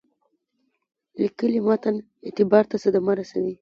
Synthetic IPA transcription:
likəlimɑt̪an | et̪ɪbɑɾt̪asəd̪amɑɾasawi

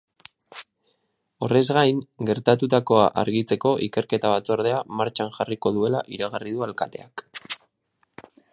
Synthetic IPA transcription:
o̞̰re̞zɣajŋɡe̞ɾt̪at̪ut̪ako̞aʔa̰ɾɣit͡se̞ko̞ʔike̞ɾke̞t̪aβ̞at͡so̞ɾðe̞amaɾt͡ʃanʝariko̞ðue̞laʔiɾaɣarið̞ualkat̪e̞ak

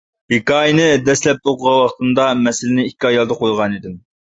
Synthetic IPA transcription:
hekɑːinɨd̪ɛslɛp̚t̪oqəʁɑwɑχt̪ɨnd̪ɑmɛsɪlɪnɪikʲːiɑjɑlˠd̪əqʰojʁɑnid̪ɪm

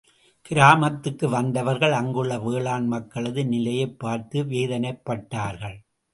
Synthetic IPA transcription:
kɪɾaːmɐt̪ːɯkːɯʋɐnd̪ɐʋɐɾɣɐɭɐŋɡɯɭːɐʋeːɭaːnmɐkːɐɭɐðɯnɪlɐjɐɪpːaːɾt̪ɯʋeːðɐnɐɪpːɐʈːaːɾɣɐɭ

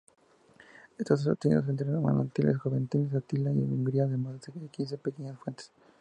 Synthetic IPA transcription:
est̪as̬eop̚t̪enḭðos̬ent̪̬ɾema̰na̰nt̪ilʔes̬xoβent̪iles̬at̪ilaiḛuŋɡɾiaðemazsekkins̬epekeɲasfwent̪e̥s

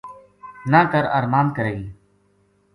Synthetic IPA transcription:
naːkəɾəɾmaːnkəɾeːiː

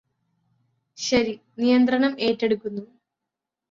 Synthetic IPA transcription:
ɕɐɾinijɐnt̪rɐɳɐme̞ːtːeɽukːunːu

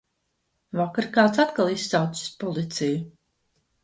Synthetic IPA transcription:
vakaɾkaːwt̪sat̪kalˠisːawt̪si̥spɔlˠit̪siju

